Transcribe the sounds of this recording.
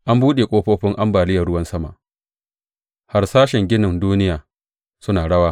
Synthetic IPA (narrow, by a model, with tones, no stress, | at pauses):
ʔa˦mbuː˦ɗeː˨kʷʼoː˦ɸoː˦ɸɪ˦ŋʔa˦mbaː˨lɪ˦jɐ˨rɽʊ˦wɐ˦nsɐ˦ma̰˨ʔ | ha˦rsaː˦ʃɪ˨ŋɡʲɪ˦nɪ˨nduː˦nɪ˦jaː˨ | sʊ˦naː˨ɽɐ˦waː˦